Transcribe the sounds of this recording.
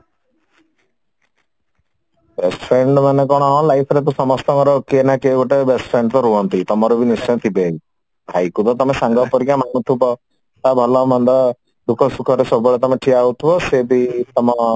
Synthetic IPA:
besʈpʰɾeɳɖmanekɔɽ̃ɔɦɔ̃lajpʰɔɾet̪̬usɔmɔst̪ɔŋɔɾɔkeenakebɔʈebesʈpʰɾeɳɖt̪ɔɾuɦɔnt̪it̪ɔmɔɾubʱinist͡ʃɔjɔ̃t̪ʰibe | bʱajkut̪ɔt̪ɔmesaŋɡɔpɔɾikamaŋut̪ʰubɔ | t̪abʱɔlɔmɔnd̪ɔ | ɖ̪ukʰɔsukʰɔɾesɔbɔbɔɭet̪ɔmeʈʰiaɦut̪ʰibɔsebit̪ɔmɔ

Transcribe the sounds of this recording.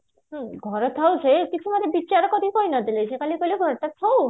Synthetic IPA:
ɦɡʱɔɾɔt̪ʰawsʰekit͡ʃʰumat̪ebit͡ʃaɾɔkɔd̪ʱikɔinad̪ʱilejsʰekalikɔliɡʱɔɾt̪at̪ʰaw

